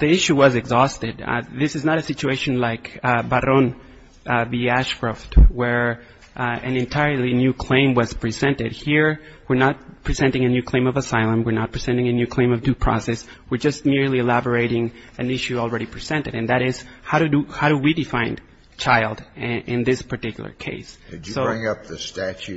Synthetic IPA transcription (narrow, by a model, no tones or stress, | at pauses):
ðiɪʃuwʌzɨɡzɔstɨd̪̰̚ðɪsɨznəɾɨsɪt͡ʃueɪʃɨ̃n̩laɪkbəɾõn | biæʃkɹɑftwə˞ | ʔɨ̃nɨ̃ntʰaɪə˞lˠinjʉkʰl̥ẽɪ̃mwʌz̥pʰɹ̥izɛ̃ntɪd̚hiɹ | wɨɹnət̚pʰɹ̥izɛ̃ntɪ̃ŋɨnjʉkʰl̥ẽɪ̃mʌvəsaɪlˠə̃mwɨɹnət̚pʰɹ̥iz̥ɛ̃ntɪ̃ŋɨnjʉkʰl̥ẽɪ̃mʌvdʉpʰɹ̥ɔ̰sɛswɨɹd͡ʒʌst̚mɪɹliɨlæbə˞eɪɾɪ̃ŋɨ̃nɪʃʉl̩ˠɹɛɾipʰɹ̥iz̥ɛ̃ntɨɾɨ̃nðɨɾɪz̥haʊɾɨdɨhaʊɾɨwidɨfãɪ̃n | t͡ʃʰaɪlˠdɪ̃nðɪspʰə˞tɪkjl̩ˠə̰˞kʰeɪsɨɨsoʊɹɪ̃ŋʌp̚ðɨstæt͡ʃʉ